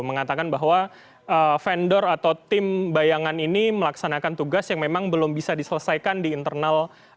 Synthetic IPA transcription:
məŋat̪akanbaɦwa | ʔəfɛndɔrat̪awt̪ɪmbajaŋaniniməlaksanakant̪uɡasjaŋmemaŋbəlʊmbisadisələsajkandiːnt̪ərnal

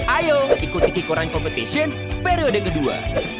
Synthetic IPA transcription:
ʔajoikut̪ikikuɾankɔmpət̪esiən | peɾodəkədua̰

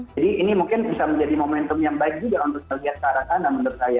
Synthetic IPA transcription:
adiːnimuŋkɪnbisaməɲd͡ʒadimomɛnt̪ʊmjaŋbaɪk̚d͡ʒuɡaunt̪ʊk̚məliɦat̪̚kaɾatanamənərkaja

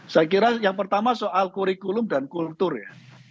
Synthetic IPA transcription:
sajk̬iɾajaŋpərt̪amasoʔalkuɾikulʊmdankult̪ʊrja

